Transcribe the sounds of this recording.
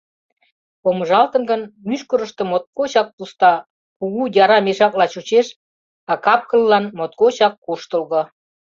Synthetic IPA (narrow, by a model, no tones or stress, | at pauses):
poməʒɑlt̪ə̆nɡənmyʃkəɾəʃt̪ə̆mot̪̚kot͡ɕɑk̚pust̪ɑ | kuɣujɑɾɑmeʃɑklɑt͡ɕut͡ɕeʃ | ɑkɑp̚kəlːɑnmot̪̚kot͡ɕɑkːuʃt̪əlɣŏ